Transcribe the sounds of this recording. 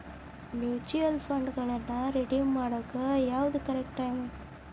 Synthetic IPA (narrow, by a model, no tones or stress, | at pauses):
mjuːt͡ʃujɐlfɐɳɖɡɐɭɐnːɐɾɛɽimaːɽɐkːɐjaːʋɐðɯkɐɾɛk̚ʈaːmɐ